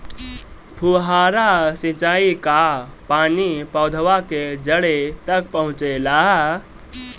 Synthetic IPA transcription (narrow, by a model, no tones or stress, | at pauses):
pʰuɦaːɾasĩt͡ʃaːikapaːnipəʊd̪ʱʋaked͡ʒəɽet̪əkpəɦʊ̃t͡ʃelaː